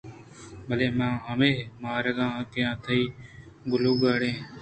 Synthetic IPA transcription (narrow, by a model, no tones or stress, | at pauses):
bəleːmãːɦəmeːmãːɾəɠãːkɪjãːt̪ʰəiː | ɡʊlũːɡaːɽẽː